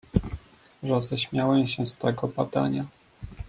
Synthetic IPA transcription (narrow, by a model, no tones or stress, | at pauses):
ʐɛzɛɕmʲjawɛmɕɛst̪ɛɡɔbad̪a̰ɲa